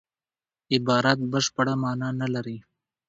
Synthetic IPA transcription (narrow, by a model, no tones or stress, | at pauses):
ɪbɑːɾat̪̚bəʃpəɽamɑːnanalaɾi